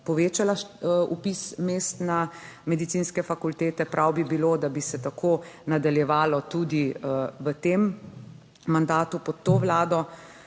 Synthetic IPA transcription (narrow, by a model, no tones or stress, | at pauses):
pɔʋeːt͡ʃalaupismeːst̪na | mɛd̪it̪sinskɛfakult̪eːt̪ɛpɾʔawbibiloːd̪abisɛt̪akʰoːnad̪aljɛʋaːlɔt̪ud̪iʋət̪emː | and̪aːt̪upɔt̪ːoːʋlaːd̪ɔ